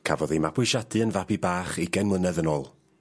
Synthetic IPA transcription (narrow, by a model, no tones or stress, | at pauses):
kʰa̰vɔðejmapʰwʊʃadɨənvabibaːχiɡɛnmlˠənɛðənɔːlˠ